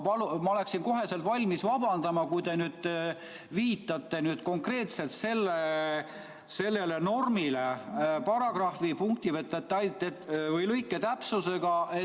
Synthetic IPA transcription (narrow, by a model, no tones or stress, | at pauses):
pɑlumɑo̞le̞ksinko̞ɦe̞selt̪vɑlʲmisvɑbɑnd̪̥ɑmɑkujd̪e̞nyːd̪̥ | viːt̪ːˑɑt̪ːˑe̞nyːd̪̥ko̞ŋkre̞ːt̪se̞lt̪se̞lːe | se̞lːe̞le̞no̞rmile̞pɑɾɑɡ̥rɑhfipuŋkt̪ivet̪ːˑet̪ːɑjlt̪ːet̪vɤjlɤjkːˑet̪æpsuse̞ɡ̥ɑe